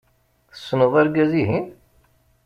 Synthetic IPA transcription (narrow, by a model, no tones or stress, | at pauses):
θə̥sːənəðˤæɾɡæziɦin